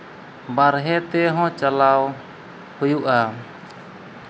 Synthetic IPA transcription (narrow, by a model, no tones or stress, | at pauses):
baɾɦɛt̪ɛɦɔ̃t͡ʃalaw | hujuʔa